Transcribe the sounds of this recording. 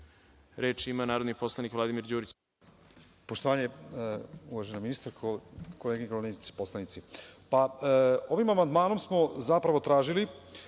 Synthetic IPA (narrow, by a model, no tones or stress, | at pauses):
ɾeːt͡ʃimanaːɾod̪niposlˠanikʋlˠad̪imiɾd͡ʑuːɾit͡ɕ | po̞ʃt̪oʋaːɲe | uʋaʒenaminist̪aɾkkoleːɡeɡooniit̪si̥po̞slˠanit̪sipao̞ʋimamand̪maːno̞msmo̞zapɾaʋo̞t̪ɾaːʒili